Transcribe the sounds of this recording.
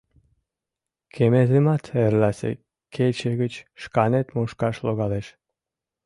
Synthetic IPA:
kʰemezemɑt̪ʰeɾlæsḛ | kʰet͡ɕəɣət͡ɕʃkɑnet̪muʃkɑʃloɣɑleʃ

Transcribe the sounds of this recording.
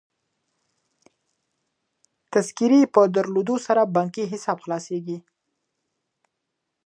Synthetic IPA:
t̪askiɾepəd̪aɾlod̪osaɾabɑŋkiɦɪsɑbxlɑseɡi

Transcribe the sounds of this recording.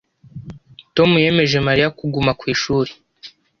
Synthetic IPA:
to̞muje̞me̞ʒe̞maɾijakuɡumakwiːʃuːɾe

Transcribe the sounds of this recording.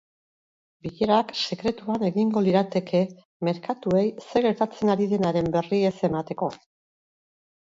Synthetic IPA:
biʎeɾakse̞kɾe̞t̪uane̞ɣiŋɡo̞liɾat̪e̞kʰe̞ | me̞ɾkat̪ue̞jse̞ɣe̞ɾt̪at͡se̞naɾiðe̞naɾe̞mbe̞rie̞se̞mat̪e̞ko̞

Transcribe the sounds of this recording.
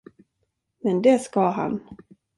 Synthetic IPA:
mɛnd̪ɛskaɦa̰n

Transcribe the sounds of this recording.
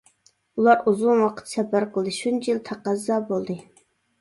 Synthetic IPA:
ulˠɑɾuzunwɑqʰə̥t̪sɛpæɾqəlˠd̪ɨʃunt͡ʃʰijilˠt̪ʰæqɑzːɑːbolˠd̪ɨ

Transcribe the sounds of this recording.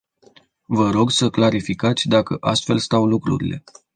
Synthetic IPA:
vəɾo̞ɡsəklaɾifikat̪sʲd̪akəʔast̪fe̞̰lst̪awlukɾṵɾḭle̞̰

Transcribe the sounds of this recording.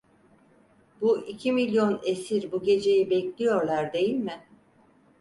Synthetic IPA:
buʔicʰimilʲjo̞nesiɾbuɟe̞d͡ʒe̞jibɛclʲijo̞ɾlˠaɾd̪e̞jilʲmɪ

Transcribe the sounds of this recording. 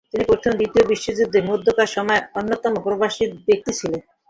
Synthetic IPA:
t̪inipɾoɾt̪ʰond̪it̪iobiʃːod͡ʑud̪ʱːemod̪ʱːokaʃɔmɔeonːot̪ɔmopɾobaʃit̪bek̚t̪it͡ɕʰilen

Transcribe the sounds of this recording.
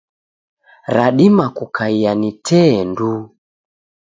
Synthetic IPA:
ɾaɗimakukʰaijanitɛndu

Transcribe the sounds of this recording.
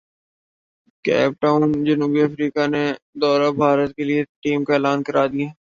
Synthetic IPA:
kɛ̰ːp̚ʈaːʊnd͡ʒɐnuːbiɐfɾiːkaned̪ɔːɾabʱaːɾət̪̚kelieʈiːmkaeːlaːnkɐɾaːd̪ijaɦɛː

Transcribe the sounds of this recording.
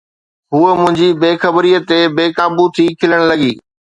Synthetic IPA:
ɦuːəmʊ̃ɦɪ̃ɲd͡ʑibeːxəbɾiːət̪ebeːkãːbut̪ʰiːkʰɪləɽ̃lɐɡiː

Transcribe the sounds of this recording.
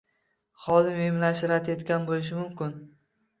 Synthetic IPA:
χɒd̪ɪmemlaʃɪɾat̪ʰet̪kʲanbolɪʃ̬ɪmʊmkʲɪn

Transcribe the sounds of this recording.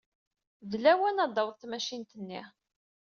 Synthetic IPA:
ðlæwænɑd̪ˤɑwðˤθmæʃint̪ənːi

